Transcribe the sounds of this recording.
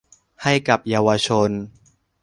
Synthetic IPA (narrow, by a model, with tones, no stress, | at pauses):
ha˥˩jka˨˩p̚jaː˧waː˧t͡ɕʰo˧n